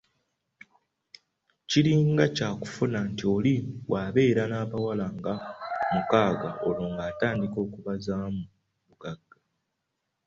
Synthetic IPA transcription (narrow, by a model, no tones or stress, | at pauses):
ciliːŋɡacaːku̥funantio̞liwaːβe̞ːɾanaːβawalaŋɡamukaːɡao̞loːŋɡaːtaːndiko̞ːkuβazaːmu | βuɡaɡːa